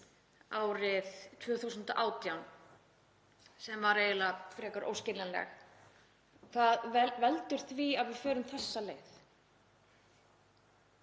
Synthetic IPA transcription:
aːwɾɪðt̪ʰvœːθuwsʏnt̪aʔaːwt̪jawn | sɛmvaɾeːjɪlafɾɛːkaɾʔo̰wscɪɾlanlɛ̰x | θaðvɛlt̪ʏɾ̥θviaðvɪfœːɾʏmθɛsːaleːjθ

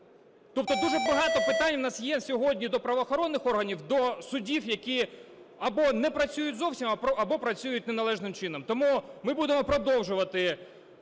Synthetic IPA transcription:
t̪ɔp̚t̪ɔd̪uʐɛbɐɦɑt̪ɔpɪt̪ɑnʲwnɑsjɛsʲɔɦɔdʲnʲid̪ɔpɾɐʋɔːxɔɾɔnːɪxɔrɦɐnʲiwd̪ɔsʊdʲiwjɐkʲiɐbɔnɛpɾɐt͡sʲujʊtʲzɔwsʲimɐɐbɔpɾɐt͡sʲujʊtʲnenɐlˠɛʒnɪmt͡ʃɪnɔmt̪ɔmumɪbud̪emɔpɾɔd̪ɔwʒʊʋɐt̪ɪ

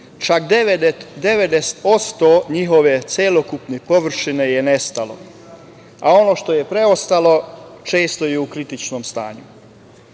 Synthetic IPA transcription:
t͡ʃakd̪ed̪ed̪eʋed̪eso̞st̪oɲiɦo̞ʋe̞t̪sjelokupnepo̞ʋr̩ʃine̞jene̞st̪alo̞̰ | ao̞no̞ʃt̪o̞jepɾe̞ost̪alo̞t͡ʃe̞ːst̪o̞jeukɾit̪it͡ʃnomst̪a̰ːɲu

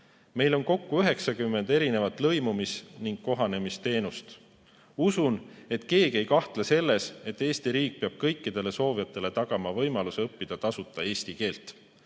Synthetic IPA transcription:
me̞jlo̞nko̞kːuyɦe̞ksɑkymːe̞nd̪̥e̞ɾine̞vɑt̪ˑlɤjmumisniŋɡ̥kːo̞ɦɑne̞mist̪e̞ːnust̪ | usune̞t̪ke̞ːɡie̞jkɑht̪lese̞lːe̞se̞t̪ːˑe̞ːst̪iɾiːk̚peɑb̥̚kɤ̞jkːid̪̥e̞le̞so̞ːvijɑt̪ːˑe̞le̞t̪ɑɡ̥ɑmɑvɤ̞jmɑluseɤpːid̪̥ɑt̪ɑsut̪ːˑɑe̞ːst̪ike̞ːlt̪ˑ

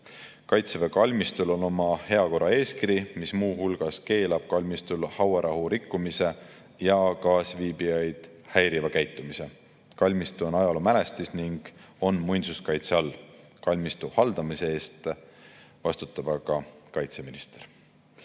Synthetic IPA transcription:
kɑjt̪sevekɑlʲmist̪ulo̞no̞mɑhe̞ɑko̞rɑe̞ːskiɾimismuːhulɡ̥ɑske̞ːlɑb̥̚kɑlʲmist̪ulhɑweɾʔɑɦuɾikːˑumise̞ | jɑkɑːsviːbijɑjd̪̥ | hæjɾivɑkæjt̪ːˑumise̞ | kɑlʲmist̪uo̞nɑjɑlomæle̞st̪isniŋɡ̥o̞nmujnsuskɑjt̪seɑlː | kɑlʲmist̪uhɑld̪̥ɑmise̞e̞ːst̪ | vɑst̪ut̪ːˑɑb̥ɑɡ̥ɑkɑjt̪se̞minist̪eɾ

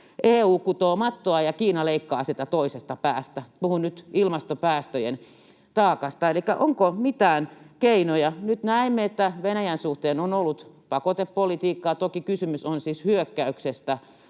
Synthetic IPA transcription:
ʔeːuːkut̪oːmɑt̪ːoɑjɑkiːnɑleikːɑ̰ːsit̪æt̪oisest̪ɑpæːst̪æpuhunnyt̪ilmɑst̪opæːst̪øjen | t̪ɑːkɑst̪ɑelikːæʔoŋkomit̪æːnkeinojɑnyt̪næimːeet̪ːæʋenæjænsuht̪eːnonolːut̪ | pɑkot̪eppolit̪iːkːɑːt̪okikysymysonsishyøkːæyksest̪æ

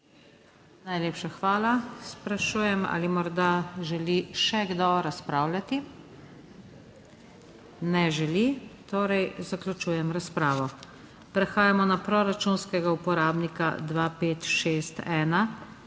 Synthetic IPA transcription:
najlʲeːpʃaxʋaːlaspɾaʃuːjɛma̰limɔɾd̪aʒɛliʃɛɡd̪ɔɾaspɾaːwlʲat̪i | nɛʒɛlit̪oːɾɛjzaklʲut͡ʃuːjɛmɾaspɾaːʋɔ | pɾɛxaːjamɔnapɾɔɾat͡ʃunskɛɡaupɔɾaːbnika̰d̪ʋapeːt̪ʃeːst̪ɛːna

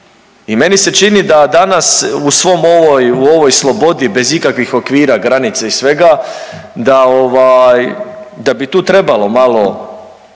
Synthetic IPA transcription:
ime̞nise̞t͡ʃinid̪ad̪anasusʋo̞mo̞ʋojuo̞ʋo̞jslˠo̞bo̞d̪ibe̞zikakʋixo̞kʋiːɾaɡɾanit̪saisʋe̞ɡa | d̪ao̞ʋajd̪abit̪uːt̪ɾe̞balo̞malˠo̞

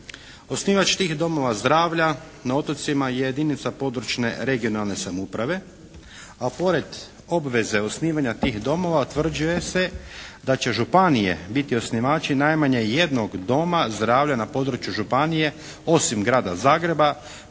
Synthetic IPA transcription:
osniːʋat͡ʃt̪iːxd̪o̞mo̞ʋazd̪ɾaːʋʎa | nao̞t̪ot̪simajejed̪iːnit̪sapo̞d̪ɾut͡ʃne̞̰ɾe̞ɡio̞nalne̞samupɾaʋe̞ | apo̞ɾe̞d̪ | o̞bʋe̞ze̞o̞sniːʋaɲat̪iːxd̪o̞mo̞ʋat̪ʋr̩d͡ʒuje̞se̞d̪at͡ɕe̞ʒupanije̞̰bit̪io̞sniʋaːt͡ʃinajmaɲe̞je̞d̪noɡd̪o̞mazd̪ɾaːʋʎanapo̞d̪ɾut͡ʃjuʒupanije̞ | o̞simɡɾaːd̪azaːɡɾe̞ba

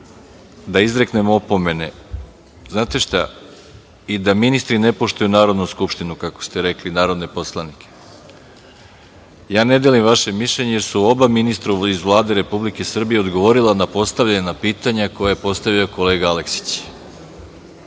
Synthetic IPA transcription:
d̪aizɾe̞kne̞moopo̞me̞ne̞ | znaːt̪e̞ʃt̪a | id̪aminist̪ɾine̞po̞ʃt̪ujunaːɾo̞d̪nuskupʃt̪inukako̥st̪e̞ɾe̞klinaːɾo̞d̪ne̞po̞slˠanikʰe̥ | jaːne̞d̪elimʋaʃe̞miʃʎe̞ɲejeɾsuo̞baminist̪ɾaizʋlˠaːd̪e̞ɾe̞publike̞sr̩bije̞o̞d̪ɡo̞ʋo̞ɾilanapo̞st̪aʋʎaɲenapiːt̪aɲako̞jaje̞po̞st̪aʋio̞ko̞le̞ːɡaale̞ksi̥t͡ɕ

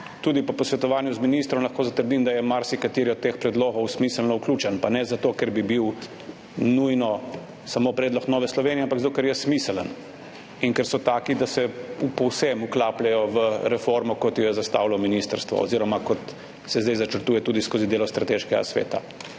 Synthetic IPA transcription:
t̪uːd̪ipɔpɔsʋɛt̪ɔʋaːnjuzminist̪ɾɔmlɐxkoːzat̪əɾd̪imd̪ajɛmaɾsikat̪eːɾiɔt̪ːeːxpɾɛd̪loːɡɔwsmisəlnɔwkluːt͡ʃɛnpanɛzat̪oːkɛɾbibiw | nujnɔ | samoːpɾɛːd̪lɔknɔːʋɛslɔʋeːnijɛampaɡzat̪okɛɾjɛsmisələn | iŋkɛɾsɔt̪aːkid̪asɛpɔwsɛmuklaːplɛjɔʋəɾɛfoɾmɔkɔt̪jɔjɛzast̪a̰ːwlɔminist̪əɾst̪ʋɔ̰o̰ziːɾɔmakɔt̪ | sɛzd̪ɛjzat͡ʃəɾt̪uːjɛt̪uːd̪iskoːzid̪eːlɔst̪ɾat̪eːʃkɛɡa̰sʋḛːt̪a̰

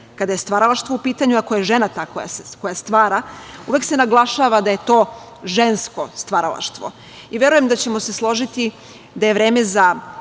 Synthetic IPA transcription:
kad̪ajest̪ʋaɾalaʃt̪ʋoupiːt̪aɲuakojeʒe̞nat̪aːkoja̰sko̞jast̪ʋaːɾauʋe̞kse̞naɡlˠaʃaːʋad̪aje̞t̪o̞ː | ʒensko̞st̪ʋaɾa̰la̰ʃt̪ʋo̞̰ | iʋʲjeɾujemd̪at͡ɕemo̞se̞slˠo̞ʒit̪i | d̪ajeʋɾe̞ːme̞za

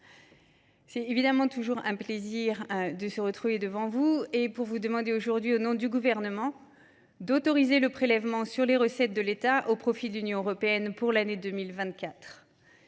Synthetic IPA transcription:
sɛt̪evid̪amɑ̃t̪uʒuʁɛ̃pleziʁd̪əsəʁət̪χuved̪əvɑ̃vuepuʁvud̪əmɑ̃d̪eoʒuʁd̪ɥionɔ̃d̪yɡuvɛʁnəmɑ̃ | d̪ot̪ɔʁizeləpχelɛvmɑ̃syʁleʁəsɛt̪̚d̪əlet̪aʔopχɔfid̪əlynjɔ̃øʁɔpeɛnpuʁlaned̪ømilvɛ̃t̪̚kʲat̪χ

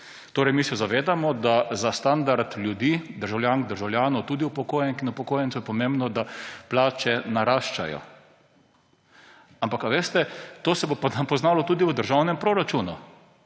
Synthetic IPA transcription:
t̪oːɾɛjmisɛzaʋeːd̪amɔd̪azast̪and̪aɾt̪lʲjud̪iːd̪əɾʒawljaːŋkd̪əɾʒawljaːnɔt̪uːd̪iupɔkoːjɛnkinupɔkoːjɛnt̪sujɛpɔmẽmbnɔd̪aplaːt͡ʃɛnaɾaːʃt͡ʃa̰jɔ̰ | ampakaʋeːst̪ɛt̪oːsɛbopapɔznaːlɔt̪uːd̪iʋəd̪əɾʒawnɛmpɾoɾat͡ʃunu

